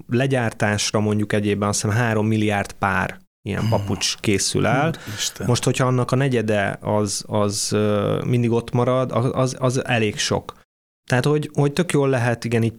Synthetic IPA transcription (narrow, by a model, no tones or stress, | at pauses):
lɛɟaːrt̪aːʃrɒmo̞ɲɟukɛɟeːbɛnɒsɛnɦaːɾo̞mːilijaːrt̪paːr | ijɛ̰mpɒput͡ʃkeːsy̰lɛlmo̞ʃt̪ho̞chɒɒnːɒkɒnɛɟɛd̪ɛɒzɒzøːmind̪iɡo̞t̪mɒɾɒd̪ɒ̰ɒzɒzɛleːkʃo̞̰k | t̪ɛɦaːt̪ho̞ɟho̞ct̪økjoːlːɛɦɛt̪iɡɛniːɟ